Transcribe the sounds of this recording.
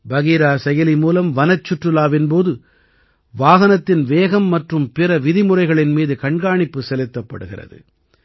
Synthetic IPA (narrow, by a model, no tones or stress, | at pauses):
bɐɣiːɾaːsɛjɐlimuːlɐmʋɐnɐt͡ʃːʊʈrɯlaːʋɪnpoːðɯ | ʋaːɣɐnɐt̪ːɪnʋeːɣɐmːɐʈrɯmpɪɾɐʋɪðɪmɯrɐɪɣɐɭɪnmiːðɯkɐɳɡaːɳɪpːɯsɛlɪt̪ːɐpːɐ̰ɽɯɣɪrɐ̰ðɯ̰